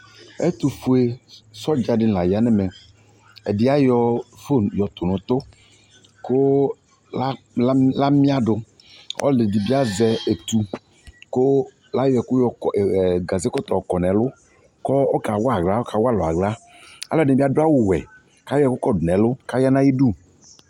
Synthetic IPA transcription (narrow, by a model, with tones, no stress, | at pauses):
e˦t̪u˨fu˨e˨sɔ˦d͡ʒa˨ɖɪ˦n˨la˨ja˨nɛ˦mɛ˨ | e˨di˦a˦jɔ˦fo˦˨njɔ˨t̪ʊ˨nʊ̃˨t̪o˦ | ko˦ | l | la˦mĩ˦a˦ɖʊ˨ | ʔɔ̰˦lɪ˨di˨bi˦a˦zɛ˦e˨t̪u˨ | ko˦ | la˦jɔ˦ɛ˨ku˦jɔ˨ɡa˨ze˦kɔ˦t̪ɔ˨kɔ˨nɛ̃˨lʊ˦ | kɔ˦o˦ka˨wɔ˦a˨ɡla˦wo˦ka˨wɔ˦a˦lɔ˨a˨ɡla˦ | a̰˦lɔ˦˨nɛ̃˨bi˦a˦do˦a˦wu˦wɛ̰˨ | ka˦jɔ˦ɛ˦kʊ˦kɔ˦dʊ˨nɛ̃˨lʊ˦ka˦ja˦nã˦ji˦ɖu˦˨